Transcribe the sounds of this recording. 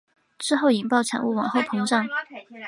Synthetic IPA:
ʈ͡ʂɻ̩˥˧xo˥˩ʊi˨˩ŋpɑ˥˩ʊʈ͡ʂʰa̰˨˩nu˥˩wɑ̰˨˩ŋxo˥˩ʊpʰɤ˧˥ŋʈ͡ʂɑ˥˩ŋ

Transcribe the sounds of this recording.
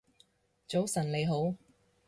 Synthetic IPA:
t͡so˨˥wsɐ˨˩nle˨˧jɦo˨˥w

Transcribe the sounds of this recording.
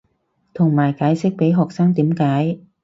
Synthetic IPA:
t̪ʰʊ˨˩ŋmaː˨˩jkaː˨˥jsɪ˦˥k̚pe˨˥jɦɔː˨˩k̚saː˧˥ŋt̪iː˨˦˥mkaː˨˥j

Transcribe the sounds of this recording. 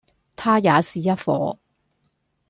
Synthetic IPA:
t̪ʰaː˥jaː˨˧siː˨jɐ˥tfɔ̰ː˨˧˥

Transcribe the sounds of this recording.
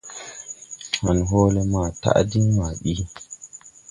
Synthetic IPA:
ha˨nɦoː˦le˦maː˨ta̰˦ʔdi˦nma˨ɗi˦

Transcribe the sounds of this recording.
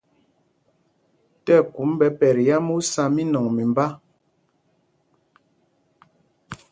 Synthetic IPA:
tɛ˦˨ku˨˦mbɛ˨pɛ˨ɾja˦mu˦sa˦mi˦nɔ˨ŋmi˨mba˦

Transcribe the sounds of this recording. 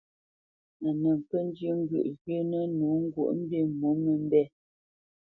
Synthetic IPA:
a˨nə˨ŋ̩˨pə˦n̩˦djʉ˦ŋ̩˦ɡɥə̰˨ʔɣjə˦nə˦nu˨˦ŋ̩˦ɡwo̰˦˨ʔm̩˦be˦˨mu˨˦mə˨m̩˦bɛ˦˨

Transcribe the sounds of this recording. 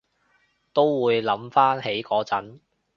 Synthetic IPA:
t̪o˥wwuː˨˧jlɐ˨˥mfaː˥nhe˨˥jkɔː˨˥t͡sɐ˨˥n

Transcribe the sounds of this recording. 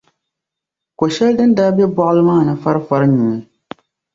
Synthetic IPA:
ko˨ʃɛ˦ldɨ˦n˦daː˦bjɛ˦bɔ˦ʔɨ˦lɨ˦maː˦˨nɨ˦fa˦ɾɨ˦fa˦ɾɨ˦ɲu˨ŋi˦

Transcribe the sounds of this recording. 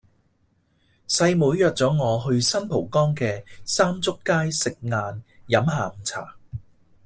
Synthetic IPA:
sɐ˧jmuː˨˥jjœː˨k̚t͡sɔː˨˥ŋɔː˨˧ɦɵ˧ɥsɐ˥npʰo˨˩wkɔː˥ŋkɛː˧saː˥mt͡sʊ˥kːaː˥jsɪ˨k̚ŋaː˧njɐ˨˥mɦaː˨m̩˨˩t͡sʰa̰ː˨˩

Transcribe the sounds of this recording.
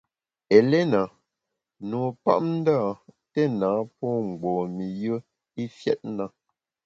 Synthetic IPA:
ɛ˨lɛ˦na˨ | no˨pa̰˦ʔn̩˦da˦˨ | tɛ˦naː˨˦pɔ˦ŋ̩˨ɡ͡bɔː˨mi˨jə˦ | i˦fjɛ̰˦t̚na˦

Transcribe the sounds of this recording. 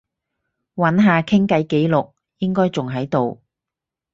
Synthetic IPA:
wɐ˨˥nɦaː˨kʰɪ˥ŋkɐ˨˥jke˨˥jlʊ˨k̚ | jɪ˥ŋkɔː˥jt͡sʊ˨ŋɦɐ˨˥jt̪o˨w

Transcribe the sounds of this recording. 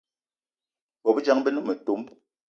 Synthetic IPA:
bɔ˨bi˦d͡ʒa˦ŋbɛ˦nu˦mɛ˨to˨˦m

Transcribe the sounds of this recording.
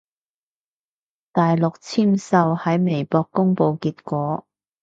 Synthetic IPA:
t̪aː˨jlʊ˨k̚t͡sʰiː˥msɐ˧whɐ˨˥jme˨˩jpɔː˧kːʊ˥ŋpo˨wkiː˧t̚kʷɔː˨˥

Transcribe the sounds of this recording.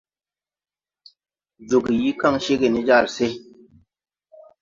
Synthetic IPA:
d͡ʒu˨ɡji˦ka˦˨ŋʃe˦ɡe˨ni˦d͡ʒa˦˨ɾse˦

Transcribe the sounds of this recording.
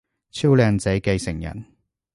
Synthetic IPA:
t͡sʰi˥wlœː˧ŋt͡sɛ˨˥jke˧jsɪ˨˩ŋjɐ̰˨˩n

